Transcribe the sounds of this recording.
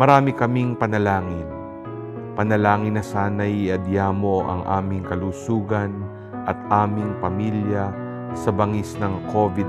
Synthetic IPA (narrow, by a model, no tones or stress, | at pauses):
mɐɾaːmɪkɐmiŋpɐnɐlaːŋɪn | pɐnɐlaːŋɪnːɐsaːnɐʔiɐd̪jaːmoʔɐ̰ŋʔa̰ːmɪŋkɐluːsuːɡɐn | ʔɐt̪ʔaːmɪŋpɐmiljɐ | sɐbɐŋisnɐŋkʰoːvɪd̪